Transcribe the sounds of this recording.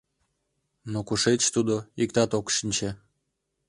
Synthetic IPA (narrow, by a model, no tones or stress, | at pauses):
nokuʃet͡ɕt̪ud̪oikt̪ɑt̪okʃinʲt͡ɕe